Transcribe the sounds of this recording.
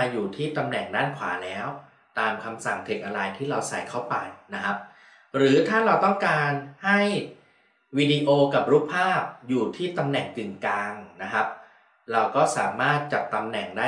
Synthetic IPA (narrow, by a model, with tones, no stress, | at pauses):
aː˧juː˨˩t̪ʰiː˥˩t̪a˧mnɛ˨˩ŋdaː˥˩nkʰwa̰ː˩˦lɛː˦˥w | t̪aː˧mkʰa˧msa˨˩ŋt̪ʰe˨˩k̚ʔa˧ɾa˧jt̪ʰiː˥˩ɾa˧wsa̰˨˩jkʰa˥˩wpa˧jna˦˥kʰa˦˥p̚ | ɾɯː˩˦t̪ʰaː˥˩ɾa˧wt̪ɔ˥˩ŋkaː˧nha˥˩j | wiː˧di˧ʔoː˧ka˨˩p̚ɾu˦˥pʰːaː˥˩p̚juː˨˩t̪ʰiː˥˩t̪a˧mnɛ˨˩ŋkɯ˨˩ŋkaː˧ŋna˦˥kʰa˦˥p̚ | ɾa˧wkɔː˥˩saː˩˦maː˥˩t̪̚t͡ɕa˨˩p̚t̪ːa˧mnɛ˨˩ŋdaː˥˩